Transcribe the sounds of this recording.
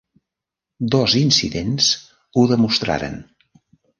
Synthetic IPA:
d̪ɔzinsiðens | uðəmust̪ɾa̰ɾə̰n

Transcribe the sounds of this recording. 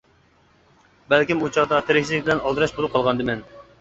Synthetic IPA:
bɛlkʲimut͡ʃʰɑʁd̪ɑt̪ʰeɾɪkʲt͡ʃʰizlɪkʲbɪlɛnɑlˠd̪ɨɾɑʃbolˠɨp̚qʰɑlˠʁɑnd̪ɨmɛn

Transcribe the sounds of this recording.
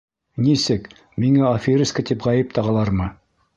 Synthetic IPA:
nisɘk | miŋæofʲiɾʲiskat̪ipʁɑjɘp̚t̪ɑʁɑlˠɑɾmɤ

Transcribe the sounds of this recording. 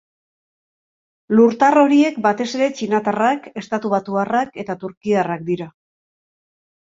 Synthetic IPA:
luɾt̪aro̞ɾie̞kbat̪e̞se̞ɾe̞t͡ʃinat̪arake̞st̪at̪uβ̞at̪uarake̞t̪at̪uɾkiarak̚d̪iɾa

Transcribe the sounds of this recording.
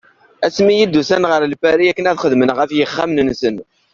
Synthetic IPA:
æsmijid̪ːusænʁəɾlfæɾiækːənæðχəðmənʁəfjəχːæmnnsən

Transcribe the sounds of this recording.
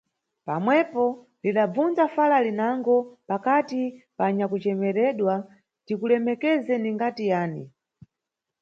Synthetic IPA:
pa̰mwɛpɔ | liɗab͡vund͡zafalalinaŋɡɔpakatipaɲakut͡ʃɛmɛɾɛɗwa | tikulɛmɛkɛzɛniŋɡatijaːni

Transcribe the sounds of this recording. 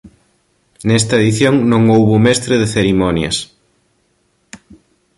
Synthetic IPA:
nɛst̪ɐeðiθjoŋnõŋowβomɛst̪ɾɪðeθeɾimɔnjɐ̰s

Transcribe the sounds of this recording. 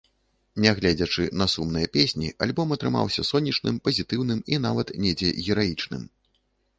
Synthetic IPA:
nʲɛɣlʲɛd͡zʲɐt͡ʂɨnɐsumnɨjɐpʲesʲnʲiʔalʲbɔmɐt̪ɾɨma̰wsʲɐsɔnʲːit͡ʂnɨmpɐzʲit̪ɨwnɨminavɐt̪nʲɛd͡zʲɛɣʲɛɾajit͡ʂnɨ̰m

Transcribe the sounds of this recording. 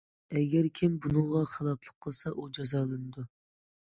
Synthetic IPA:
ɛɡʲɛɾkʲʰɪmbunɨŋʁɑχʰəlˠɑpʰlˠəqʰːəlˠsɑʔud͡ʒɑzɑːlˠɨnɨd̪u

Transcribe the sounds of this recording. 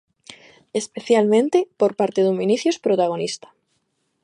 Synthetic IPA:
e̞spe̞θjalmẽnt̪epo̞ɾpaɾt̪e̞ðumĩniθjospɾot̪aɣ̞o̞nist̪ḁ

